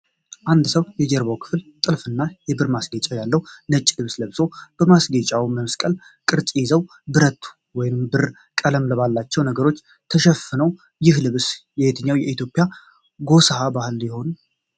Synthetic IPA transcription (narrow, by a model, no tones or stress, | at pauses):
ʔand̪səwjɛd͡ʒɛɾbawkʰɨ̥flt̪ʼɨlfɨnːajɛbɨɾmasɡet͡ʃʼajalːəwnət͡ʃʼːlɨβsləβso̞b̥əmasɡet͡ʃʼawməmskʼəl | kʼɨɾt͡ʃʼjɪzəw | bɨɾət̪ʰːu̥ | wɔjnɨmbɨɾ | kʼələmləβalːat͡ʃːɛwnəɡəɾo̞t͡ʃː | t̪ʰəʃɛfɨnəw | jɪhlɨβsjɛjet̪ʰɨɲːawjɛʔit̪ʰjopʼja | ɡo̞shabahɨljɛho̞nu